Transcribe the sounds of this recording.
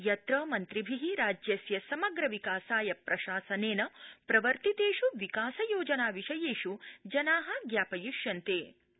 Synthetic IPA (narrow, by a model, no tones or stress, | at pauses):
jɐt̪ɾɐːmɐnt̪ɾibʱiɦiɾaːd͡ʒjɐsjɐsɐmɐɡɾɐʋikaːsaːjɐpɾɐʃaːsɐneːnɐpɾɐʋɐɾt̪it̪eːʃuʋikaːsɐjoːd͡ʒɐnaːʋiʃɐjeːʃud͡ʒɐnaːɦɐ̆ɡjaːpɐjuʃjɐnt̪eː